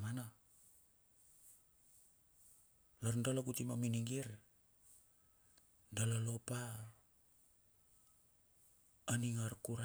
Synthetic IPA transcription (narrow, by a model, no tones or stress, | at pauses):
mana | laɾndalakutimaminiŋɡiɾ | dalalopa | aniŋaɾkuɾa